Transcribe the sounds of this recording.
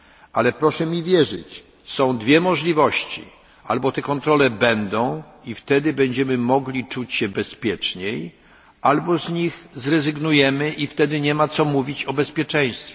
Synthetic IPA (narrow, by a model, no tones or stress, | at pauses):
alɛpɾɔʂɛmʲivʲjɛʐɘ̰t͡ɕ | sɔ̃w̃d̪vʲjɛmɔʐlʲivɔɕt͡ɕḭ | ʔa̰lbɔt̪ɛkɔnt̪ɾɔlɛbɛnd̪ɔ̃w̃ | ift̪ɛd̪ɘbɛɲd͡ʑɛmɘmɔɡlʲit͡ʂut͡ɕɕɛbɛspʲjɛt͡ʂɲej | albɔzɲixzɾɛzɘɡnujɛmɘʔift̪ɛd̪ɘɲɛmat̪sɔmuvʲit͡ɕɔbɛspʲjɛt͡ʂɛ̃j̃st̪fʲɛ